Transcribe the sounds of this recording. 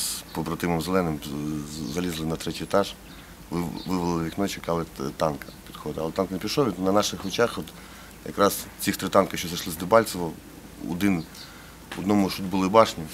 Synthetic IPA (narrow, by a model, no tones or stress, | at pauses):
spɔbɾɐt̪ɪmɔmzelˠɛnɪm | zɐlʲizlˠɪnɐt̪ɾɛtʲijɔt̪ɑʒ | ʋʋɪʋɐlˠɪɪʋʲiknɔt͡ʃɪkɑlˠɪt̪ɑnkɐ̥pʲid̪xɔd̪ɪɐlˠɛt̪ɑnkɐnepʲiʃlˠɔʋʲit̪nɐnɑʃɪxɔt͡ʃɑxɔt̪ | jɐ̰kɾɑst͡sʲixt̪ɾɪt̪ɑnkɐʃt͡ʃɔzɐʃlˠɪzd̪ɪbɑlʲt͡s̪ɔʋɔ | ɔ̰d̪ɪn | ɔd̪nɔmʊʃud̪ʲbʊlˠɪbɑʃnʲi